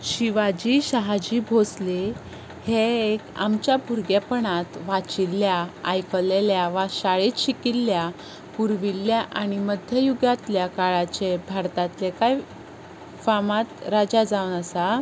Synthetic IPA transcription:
ɕiʋad͡ʑiɕəɦad͡ʑiːbʱosle | heeka̰mt͡ɕjabʱuɾɡapəɳat̪ʋat͡ɕiljaːjkəleljaʋaɕaɭit̪ɕikilːja | puɾʋilːjaʔañiməd̪ʱjəjuɡat̪ljakaɭat͡ɕebʱaɾt̪at̪lekaj | famat̪ɾad͡ʑad͡zaʋnəsa

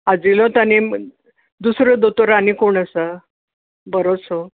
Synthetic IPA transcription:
ad͡ʑilɔ̃t̪ani | d̪usɾəd̪ot̪oɾanikoɳəsə | bəɾot͡so

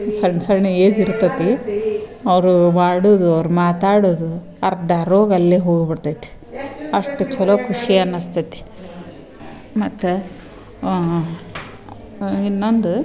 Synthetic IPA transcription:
sɐɾnsɐɾɳɐeːd͡ʒiɾt̪ɐt̪ːi | ɐʋɾumaːɽuːd̪uɐʋɾumaːt̪aːɽuːd̪u | ɐɾd̪ɐɾoːɡɐlːeːɦoːɡbiɽt̪ɐjt̪e̥ɐʂʈut͡ʃɔloːkʰuʂiɐnːɐst̪ʰɐt̪i̥ | mɐt̪ːu | inːond̪u

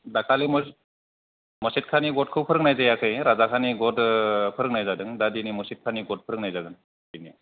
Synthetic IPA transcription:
dakʰalimɔ | mɔsit̚kʰaniɡɔt̚kʰɯwpʰɯɾɯŋ̚najzajakʰɯjɾazakʰaniɡɔtpʰɯɾɯkŋnajzadɯŋdadinimɔsit̚kʰaniɡɔt̚pʰɯɾɯŋnajzaɡɯn | dini

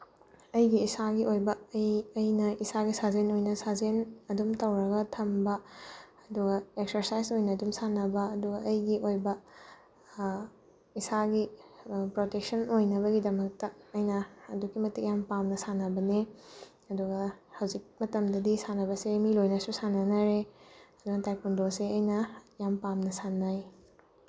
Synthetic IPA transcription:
ɐjɡiːsaɡiʔojbɐːjɐjnɐisaɡisazenojnɐsazenɐdumtɐwɾɐɡɐtʰɐmbɐ | ɐduɡɐeksɐɾsajzojnɐːdumsanɐbɐɐduɡɐʔɐjɡiʔojbɐ | isaɡipɾotek̚sɐnojnɐβɐɡidɐmɐk̚tɐːjnɐːdukimɐtik̚jampamnɐsanɐbɐne | ɐduɡɐhɐwzik̚mɐtɐmdɐdisanɐbɐsemilojnɐsusanɐnɐɾeɐduɡɐtajpundoseɐjnɐjampamnɐsanaj

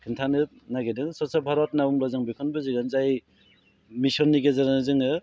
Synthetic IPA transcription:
kʰɯntʰanɯt̚naɡedɯŋsɔsabʱaɾɔtnabumlɔzɯŋbikʰɔnbɯzɯɡɯnzaj | misɔnːiɡezaɾanɯzɯŋɯ

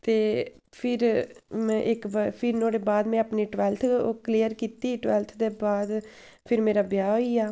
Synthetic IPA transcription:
t̪eː | pʰɪɾmɛ̃ːʔɪkbpʰɪɾnoːɽeːbaːd̪mɛ̃ːəpniːʈʋɛːlt̪ʰːkliːəɾkiːt̪iːʈʋɛːlt̪ʰd̪eːbaːd̪ | pʰɪɾmeːɾaːbjaːɦoːiːaː

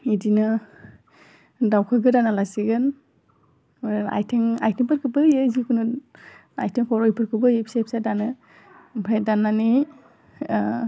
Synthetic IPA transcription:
idinɯ | dawkʰɯɡɯdanalasiɡɯn | a̰jtʰeŋa̰jtʰiŋpɯɾkʰɯbɯjɯzikʰunɯ | ajtʰeŋkʰɔɾɔjpʰɯɾkʰɯbɯjɯpsajp̚sadanɯ | pʰɾajdanːani

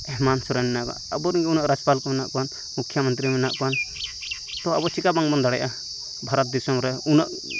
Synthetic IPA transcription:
ɛɦmansɔɾanɛnaʔka̰əbɔɾiŋɡɛunəʔɾad͡ʒpalkɔmɛnaʔkɔan | mukʰjamɔnt̪ɾimɛna̰ʔkɔan | t̪ɔabɔt͡ʃʰikabaŋbɔnd̪aɽɛjʔa | bʱaɾɔt̪̚d̪isɔmɾɛunəʔ

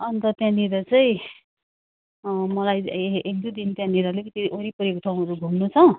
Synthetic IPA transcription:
ʌnt̪ʌt̪jãniɾʌt͡sʌĩ | mʌlajekd̪ud̪int̪jãniɾʌlekʌt̪iʔoɾipʌɾekoʈʰaw̃ʌɾuɡʱumnut͡sʰʌ

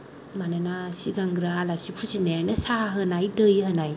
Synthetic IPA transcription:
mananasiɡaŋɡɾalasipʰusinaanɯsaɦɯnajdɯjhɯnaj

